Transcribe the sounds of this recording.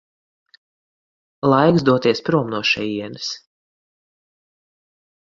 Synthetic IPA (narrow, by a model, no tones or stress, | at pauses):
lˠajkzd̪uɔt̪iɛspɾuɔmnuɔʃɛjiɛnɨs